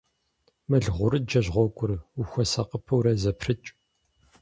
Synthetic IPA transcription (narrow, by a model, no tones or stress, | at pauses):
mɐɮʁʷʊɾɨd͡ʒɐʑʁʷɔkʷʼʊruxʷɐsɐqəpʰɐwɾɐzɐpʰrɨt͡ʃʼ